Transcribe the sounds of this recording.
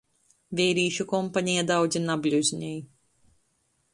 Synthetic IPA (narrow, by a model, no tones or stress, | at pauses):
vʲɛjɾiːʃukɔmpaɲijɛd̪awd̪zʲinablʲuzʲɲɛj